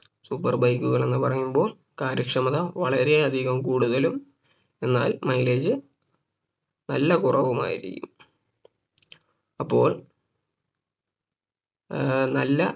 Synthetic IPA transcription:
supːɐrbɐjkːuɣɐɭe̞nːɨpɐrɐjːumbo̞ːɭ | kaːɾɐkʂɐmɐðɐʋɐɭɐɾe̞ɐd̪ʱiɣɐmkuːɽuðɐlum | e̞nːaːlmɐjleːd͡ʑɨ | nɐlːɐkurʔɐʋuma̰ːjḭɾikʲːum | ɐpːo̞ːɭ | nɐlːɐ

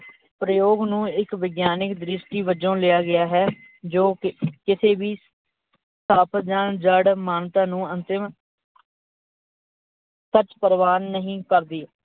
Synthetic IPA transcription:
pɾəjoːɡnũːɪkʋɪɡjaːnɪkd̪ɾɪʃʈiːʋəd͡ʒõːlɪjaːɡɪjaːɦɛː | d͡ʒoːkɪsʰeːbiː | saːpʰd͡ʒaːɳd͡ʒəɽmaːnt̪ãːnũːənt̪ɪm | sət͡ʃpəɾʋaːnːəɦĩːkəɾd̪iː

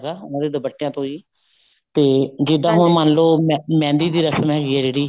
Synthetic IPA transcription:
ɾaːãːd̪eːd̪əbəʈːejãːt̪õːiː | t̪eːd͡ʒɪd̪ãːɦʊɳmənloːmmɛ̃ːnd̪iːd̪iːɾəsmɛːd͡ʒiːɛːd͡ʒeːɽiː

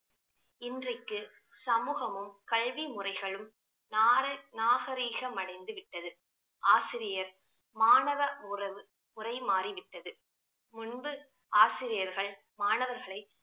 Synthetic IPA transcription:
ɪndrɐɪkːɯ | sɐmuːɣɐmɯmkɐɭʋimʊrɐɪɣɐɭɯm | naːɾɐnaːɣɐɾiːɣɐmɐɽɐɪnd̪ɯʋɪʈːɐðɯ | ʔaːsɪɾɪjɐɾ | maːnɐʋɐʊrɐʋɯ | ʊrɐɪmaːriʋɪʈːɐðɯ | mʊnbɯ | aːsɪɾɪjɐɾɣɐɭ | maːnɐʋɐɾɣɐɭɐɪ

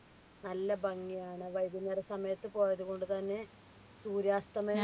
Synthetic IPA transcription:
nɐlːɐbɐŋːijaːɳɨʋɐjd̪inɐrɨsɐmɐjɐt̪ːɨpo̞ːjɐðuɣo̞ɳɖɨt̪ɐnːe̞ | suːɾjaːst̪ɐmɐ

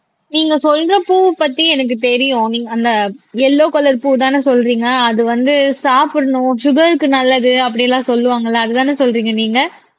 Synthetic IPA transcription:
niːŋɡɐsɔlɾɐpuːpɐt̪ːiɛnɐk̬ːɯt̪ɛɾɪjʊ̃niːŋɡɐɐnd̪ɐɛlːoːkɔlɐɾpuːt̪aːnɯsɔlːɾiːŋɡɐːðɯʋɐnd̪ɯsaːpɯɾɐɳʊ̃ʃʊɣɐɾɯkːɯnɐlːɐðɯɐpːɐɽɪjɐlːãːsɔlːɯʋaːŋɡɐɭːɐːðɯt̪aːnɯsɔlɾiːŋɡɐniːŋɡɐ

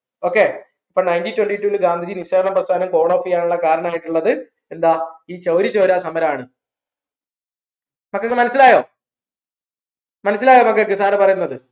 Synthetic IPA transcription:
o̞ːkːe̞ː | ɐpːoːnɐjnʈitːweɳʈitːuːlɨɡaːnd̪ʱid͡ʑinisɐdɐɳɐmprɐst̪ʰaːnɐmko̞ːɳo̞ːfijaːɳuɭːɐkaːɾɐɳɐmaːjiʈːuɭːɐðɨ | e̞nd̪aːiːt͡ɕɐwɾit͡ɕːo̞ːɾaːsɐmɐɾɐmaːɳɨ | mɐkːekːmɐnɐsːilaːjoː | mɐnɐs̬ːilaːjo̞ːmɐkːek̬ːɨsaːɾɐpɐrɐjunːɐðɨ

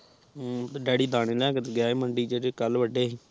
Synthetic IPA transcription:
ɖɛːɽiːd̪aːɽẽːlɛːkət̪ɡɪaːeːməɳɖiːd͡ʒeːɾeːkəlʋəɖeːɦiː

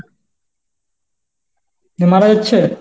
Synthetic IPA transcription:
nemaɾad͡ʑatːɕʰe

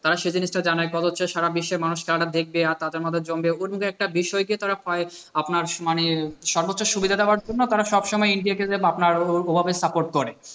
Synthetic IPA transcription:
t̪aɾaʃejd͡ʑiniʃʈad͡ʑanaekɔd̪ot͡ɕʰːeʃaɾabiʃːeɾmanuʃkʰɛlaʈad̪ek̚ʰbeaɾt̪ad̪eɾmɔd̪ʱːed͡ʑombeoɾmuɡeɛk̚ʈabiʃɔeɡiet̪aɾafɔe | apnaɾmaneʃɔɾbotːɕoʃubid̪ʱad̪eoaɾd͡ʑonːot̪aɾaʃɔbʃɔmɔeiɳɖiaked̪eapnaɾobʱabesapoɾʈ̚koɾe

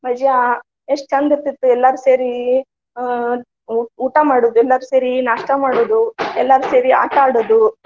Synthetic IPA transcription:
mɐd͡ʒja | eʂʈt͡ʃɐnd̪it̪ːit̪ːuɛlːaɾuseːɾi | uːʈamaːɽoːd̪uɛlːɐɾuseːɾinaːʂʈɐmaːɽoːd̪uɛlːaɾuseːɾia̰ːʈaːɽoːd̪u

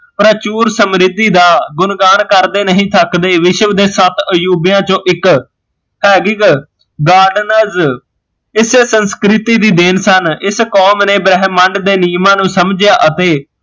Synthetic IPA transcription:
pɾət͡ʃuːɾsəmɾɪd̪iːd̪aːɡʊnɡaːnkəɾd̪eːnəɦĩːt̪ʰəkd̪eːʋɪʃʋd̪eːsət̪əjuːbɪjãːt͡ʃõːʔɪk | pɛːɡɪɡ | ɡaːɾɖnəz | ɪseːsənskɾɪt̪iːd̪iːd̪ɪnsənɪskɔːmneːbɾɛːɦmːəɳɖd̪eːniːmãːnũːsəmd͡ʒjaːʔət̪eː

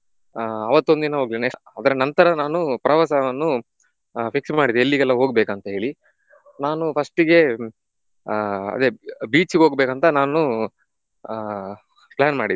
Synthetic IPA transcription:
ɐʋɐt̪ːo̞nd̪inɐɦoːɡline | ɐd̪ɐɾɐnɐnt̪ɐɾɐnaːnupɐɾɐʋasɐʋɐnːu | pʰiksmaːɽid̪eelːiɡɛlːɐɦo̞ːɡbeːkɐnt̪ɐɦe̞ːɭi | naːnupʰɐsʈiɡe̞ | ɐ̰d̪ebiːt͡ʃiɡeo̞ːɡbeːkɐnt̪ɐnaːnu | pɭaːnmaːɽid̪

